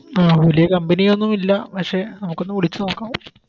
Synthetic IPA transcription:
aːʋɐlijɐkɐmbɐnijo̞nːumilːɐpɐkʂe̞nɐmukːo̞nːumʋiɽit͡ɕːɨno̞ːkːaːʋum

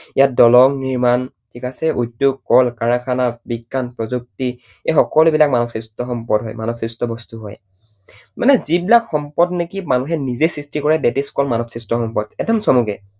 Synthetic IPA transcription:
ijat̚dɔlɔŋniɹman | tʰikasɛʔujdjuɡ̚kɔlkaɹakʰanabiɡːanpɹɔzuk̚ti | exɔkɔlubilak̚manɔksistɔxɔmpɔdɦɔ̰jmanɔksɹistɔbɔstuɦɔ̰j | manɛzibilakxɔmpɔdnekimanuxɛnizesɹistikɔɹɛdɛtiskɔlmanɔksistɔxɔmpɔdɛdɔmsɔmukɛ

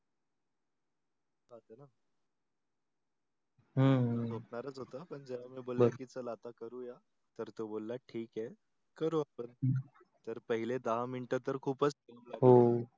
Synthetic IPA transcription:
bat̪əna | ɦəɦbʱəp̚ɳaɾət͡sɦot̪əpəɳd͡ʑɛʋamiːboləəkit͡səlat̪akəɾuːja | t̪əɾt̪obolːaʈʰiːke | kəɾuːapəɳ | t̪əɾpəɦiled̪əɦamiɳʈət̪əɾkʰuːpət͡skeluːmlaɡɦo

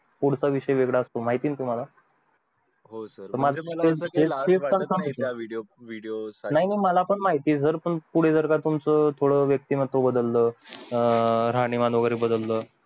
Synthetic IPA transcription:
puɽ̤saʋiɕəjʋeɡɭaəst̪omaɦit̪iːnt̪um̤ala | ɦosəɾəɾmad͡zaeteeanəmiɽioʋiɽiosnaɦinaiməlapəɳmaɦit̪iːd͡zəɾpəɳpuɽ̤ed͡zəɾɡat̪umt͡sət̪ʰoɽəʋjək̚t̪iːmət̪ːobəd̪əlːəː | ɾaɽ̃imanoɡəɾibəd̪əlːəː

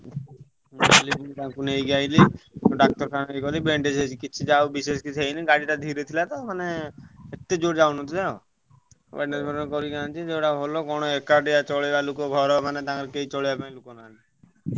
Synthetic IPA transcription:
libunt̪ãkunejɡajliɖak̚ʈɔɾsanejkɔlibeɳɖed͡ʒɦet͡ʃʰikit͡ʃʰid͡ʒawbiseskit͡ʃʰɦejniɡaɽiʈad̪ʱiɾet̪ʰilat̪ɔmaneet̪ːed͡ʒoɽd͡ʒawnɔt̪id̪ao̰ | bḛɳɖed͡ʒbʱɔɾnekɔɾiɡant͡ʃʰid͡ʒewʈaɦolokɔɽ̃oekaɖijat͡ʃɔɭebalukɔɡʱɔɾɔmanet̪ãkɾkeit͡ʃɔɭibapaĩlukonali

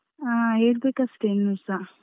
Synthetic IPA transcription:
aeːɾbeːkɐsʈenːusa

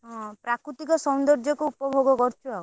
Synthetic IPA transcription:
ɦɔ̃pɾakɾut̪ikɔsɔnd̪ɔɾd͡ʒɔkuupɔbʱoɡɔkɔɾt͡ʃʰuaw

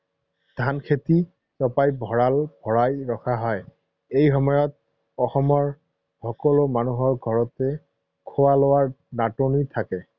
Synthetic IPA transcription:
d̥ʱankʰeti | sɔpajbʱɔɹalb̥ʱɔɹajɹɔxʰaɦɔj | ejɦɔmɔjɔt | ɔxɔmɔɹ | hɔkɔlomanuɦɔɹɡʱɔɹɔtɛ | kʰowalowaɹ | natonitʰakɛ

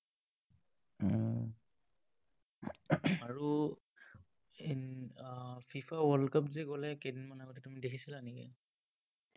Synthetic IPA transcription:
aɹu | fʰifʰawɔlkapzɛɡɔlɛkedinmanaɡɔtɛtumidekʰisilanɛkɛ̰

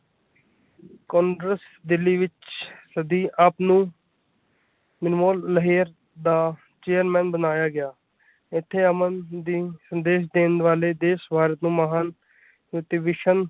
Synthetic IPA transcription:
kõːɳɖɾəs | d̪ɪlːiːʋɪt͡ʃsəd̪iːʔaːpnũː | mɪnmoːlːəɦeːəɾ | d̪aː | t͡ʃeːəɾmɛ̃ːnbənaːjaːɡɪjaː | ɪt̪ʰːeːəmənd̪iːsənd̪eːʃd̪eːnʋaːleːd̪eːsbʱaːɾət̪nũːməɦaːn | juːʈiːʋeːʃən

